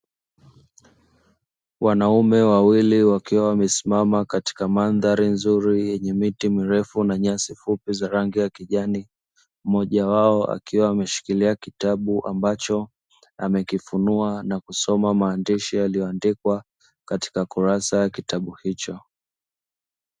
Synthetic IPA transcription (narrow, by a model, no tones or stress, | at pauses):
wʔanaumɛwawiliwakiwawamɛsi̥mamakati̥kamanðaɾinzuɾijɛɲɛmitimiɾɛfunaɲasifupizaɾaŋɡijakiʄani | mɔʄawaɔʔa̰kiwaːmɛʃi̥kiliakitaɓuʔambat͡ʃɔ | amɛkifunuanakusɔmamaːndiʃijalijɔandikwa | kati̥kakuɾasajakitaɓuhit͡ʃɔ